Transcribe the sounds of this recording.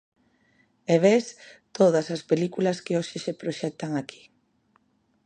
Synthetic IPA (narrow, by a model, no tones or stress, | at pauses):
eβest̪oðɐsɐspelikulɐskɪoʃɪʃepɾoʃɛt̪aŋakʰi̥